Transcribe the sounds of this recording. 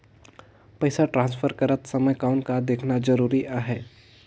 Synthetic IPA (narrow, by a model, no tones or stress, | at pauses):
pɐɪsaʈɾãːnsfʰəɾkɐɾət̪sɐməjkaʊnkad̪eːkʰnazd͡ʒɐɾuːɾiʔaːɦɛː